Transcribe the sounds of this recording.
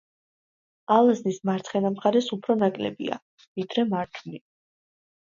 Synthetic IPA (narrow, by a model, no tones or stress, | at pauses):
alˠaznismaɾt̪ʰχɛnamχaɾɛsupʰɾɔnakʼlɛ̰bḭa̰ | vid̪ɾɛmaɾt̪ʰuni